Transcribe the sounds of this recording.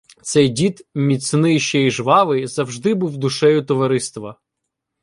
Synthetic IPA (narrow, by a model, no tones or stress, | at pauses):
t̪sɛjdʲit̪mʲisʲnɪjʃt͡ʃɛiʒʋɑʋɪzɐwʒd̪ɪbuwd̪ʊʃɛjʊt̪ɔʋɐɾɪst̪ʋɐ